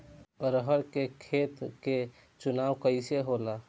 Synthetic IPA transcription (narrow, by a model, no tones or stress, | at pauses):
ɾəɦəɾkekʰet̪ke | t͡ʃunawkəɪseɦola